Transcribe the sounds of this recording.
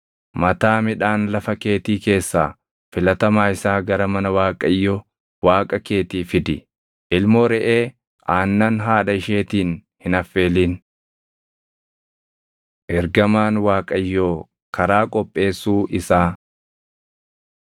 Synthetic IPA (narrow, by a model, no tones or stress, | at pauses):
mɐt̪aːmɪᶑaːnlɐfɐke̞ːt̪iːke̞ːsːaː | fɪlɐt̪ɐmaːɪsaːɡɐɾɐmɐnɐwaːkʼɐjːoː | waːkʼɐke̞ːt̪iːfɪd̪ɪ | ʔɪlmoːɾɛʔe̞ː | ʔaːnːɐnɦaːᶑɐɪʃe̞ːt̪iːn | hɪnɐfːe̞ːliːn | ʔɛɾɡɐmaːnwaːkʼɐjːoː | kɐɾaːkʼɔpʼːe̞ːsːuːʔɪsaː